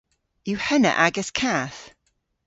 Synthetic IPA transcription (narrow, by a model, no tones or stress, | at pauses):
jʉhɛnə̰ʔaɡəskʰaθ